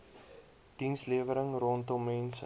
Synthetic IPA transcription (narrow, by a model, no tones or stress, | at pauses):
d̥insliəvəɾəŋrɔntɔmːɛns